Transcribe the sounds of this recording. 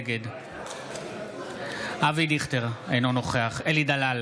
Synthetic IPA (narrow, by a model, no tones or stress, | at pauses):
ɡed̪ | avid̪iχt̪eʁejnonoχeaχelid̪alal